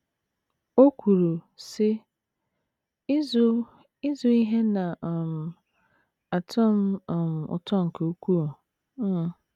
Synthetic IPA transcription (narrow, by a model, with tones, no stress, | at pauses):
o˦kʰʷu˨ɾu˨sɪ˦ | ɪ˦zʊ˦ | ɪ˦zʊ˦i˦ɦe˦nã˨m˨ | a˨tʰɔ˦m˦ɔ˨m˨ʊ̰˨tʰɔ˦ŋ̩˨kʰo˨o˦kʷu˦ɔ˨˦˨